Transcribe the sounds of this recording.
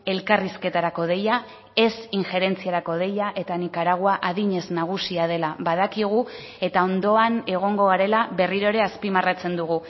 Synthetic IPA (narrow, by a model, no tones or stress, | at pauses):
e̞lkariske̞t̪aɾako̞ð̞e̞ja | e̞siŋxe̞ɾe̞nt͡siaɾako̞ð̞e̞jaʔe̞t̪anikaɾaɣ̞oaʔaðiɲe̞znaɣ̞usiað̞e̞laβaðakiɣ̞u | e̞t̪ao̞nd̪o̞ane̞ɣ̞o̞ŋɡo̞ɣaɾe̞laβe̞riɾo̞ɾe̞aspimarat͡se̞nd̪uɣ̞u